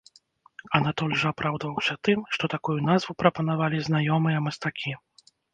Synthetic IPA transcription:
ɐnat̪ɔlʲʐɐapɾawd̪vɐwsʲɐt̪ɨmʂt̪ɔt̪akujunazvupɾɐpɐnavalʲiznajɔmɨjɐmɐst̪akʲʰi

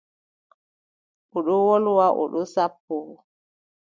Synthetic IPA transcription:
ʔɔɗɔwɔlwaʔɔ̰ɗɔsapːɔ

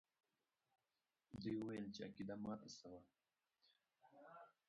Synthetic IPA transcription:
d̪ujuwajəlt͡ʃeakid̪amɑːt̪asawa

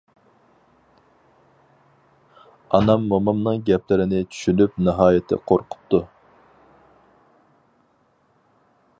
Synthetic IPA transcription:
ɑnɑmːɑmɑmnɨŋɡʲɛplɪɾɪnɪt͡ʃʰy̥ʃylyp̚nɨɦɑːjɪt̪ʰɪ̰qʰoɾqʰʊ̥p̚t̪ːu

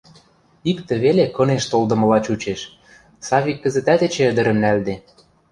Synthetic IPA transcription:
ikt̪ĕβelekɤ̆neʃt̪old̪ɤ̆mɤ̆lɑt͡ɕut͡ɕeʃ | sɑβʲikːə̆zə̆t̪æt̪et͡ɕĕə̆d̪ə̆ɾə̆mnæld̪e

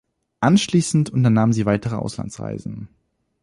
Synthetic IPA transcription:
ʔanʃliːsn̩tʊntɐnaːməziːvaɪtəʁəʔa̰ʊsla̰nt͡sʁa̰ɪzn̩

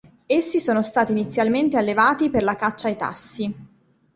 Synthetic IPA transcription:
esːisoːnost̪aːt̪iːnit̪sːjalment̪ealːevaːt̪iperlakat͡ʃːajt̪a̰sːi

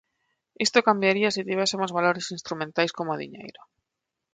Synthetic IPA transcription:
ist̪okambjaɾiasit̪iβesemozβaloɾesinst̪ɾumẽnt̪ajskomoðḭɲḛjɾo

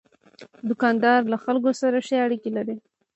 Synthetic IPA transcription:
d̪ʊkɑnd̪ɑɾlaxalkosaɾaʃeaɽikilaɾi

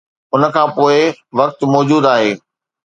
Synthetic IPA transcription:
ʊnə̆kʰãːpoːɪʋɐk̚t̪mɔːd͡ʑuːd̪aːɦeː

